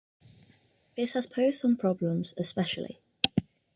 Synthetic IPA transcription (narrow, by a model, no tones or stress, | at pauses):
ðɪshəz̥pʰəʊz̥sə̃mpʰɹ̥ɒblə̃mz̥ɪspɛʃə̰lɪ̰